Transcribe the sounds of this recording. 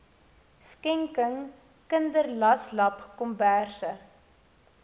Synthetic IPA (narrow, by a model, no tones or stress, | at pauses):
skɛŋkəŋ | kəndərlɐslɐpkɔmbærsə